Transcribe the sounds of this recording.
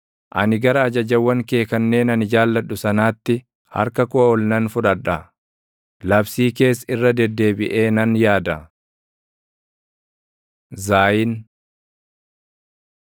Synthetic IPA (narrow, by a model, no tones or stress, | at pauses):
ʔɐnɪɡɐɾɐːd͡ʒɐd͡ʒɐwːɐŋke̞ːkɐnːe̞ːnɐnɪd͡ʒaːlːɐᶑʊsɐnaːt̪ːɪ | hɐ̰ɾkɐkʊɔlnɐnfʊᶑɐᶑːɐ | lɐbsiːke̞ːsɪrːɐd̪ɛd̪ːe̞ːbɪʔe̞ːnɐnjaːd̪ɐ | zaːjɪn